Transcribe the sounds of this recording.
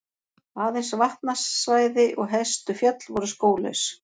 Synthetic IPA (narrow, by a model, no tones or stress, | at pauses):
aːðɪjnsvaht̪nasːvaːjðɪʔɔɣɦɛst̪ʏfjœt̪lvɔɾʏskoːwlœ̰ɥs